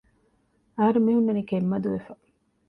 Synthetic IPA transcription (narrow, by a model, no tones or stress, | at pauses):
ɐɦɐɾumiɦunːɐnikemːɐd̪uʋefɐ